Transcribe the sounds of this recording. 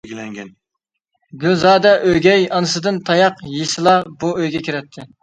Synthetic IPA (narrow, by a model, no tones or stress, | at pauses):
ɡʲilɛŋɡʲɛn | ɡʲylzɑːd̪ɛʔøjɡʲɛjɑnɨsɨd̪ɨnt̪ʰɑjɑqjesɨlˠɑbuøjɡʲɛkʲʰiɾɛt̪ʰːɪ